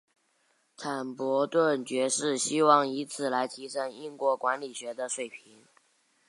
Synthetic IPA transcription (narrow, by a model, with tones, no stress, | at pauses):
tʰa˨˩npwɔ˧˥t̪wə˥˩nt͡ɕɥɛ˧˥ʂɻ̩˥˩ɕi˥wɑ˥˩ŋi˧˥t͡sʰɹ̩˥˩la˧˥ɪt̪ʰi˧˥ʂə˥ŋi˥˧nkwɔ˥˩kwa˧˥nli˨˩ɕɥɛ˧˥d̪ə˧ʂwe˨˩ɪpʰi˧˥ŋ